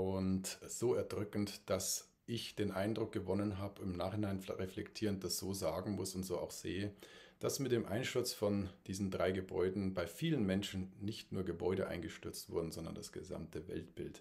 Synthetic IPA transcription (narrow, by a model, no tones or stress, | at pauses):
ʔʊntz̥oːɛɐdʁʏkn̩td̥as | ʔɪçd̥eːnʔaɪndʁʊk̚ɡ̥əvɔnənɦaːbəɪmnaːχhɪnaɪnʁeflɛktʰiːʁənt̚d̥asz̥oːzaːɡŋ̩mʊsʊntz̥oːʔa̰ʊxz̥eːəd̥asmɪt̚d̥eːmʔaɪnʃtʏɐt͡sfɔnd̥iːzn̩dʁaɪɡəbɔ̰ʏdn̩baɪfiːlənmɛnʃn̩nɪçtnuːɐɡəbɔʏɾəʔa̰ɪnɡəʃtʏɐt͡stv̥ʊ̰ɐdn̩zɔndɐnda̰sɡ̥əza̰mtʰəvɛ̰ltb̥ɪlt